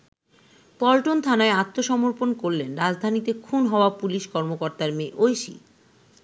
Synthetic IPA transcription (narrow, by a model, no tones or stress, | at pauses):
pɔlʈont̪ʰanaeat̪ːoʃɔmoɾponkoɾlenɾad͡ʑd̪ʱanit̪ekʰunɦɔoapuliʃkɔɾmokɔɾt̪aɾmeʔojʃḭ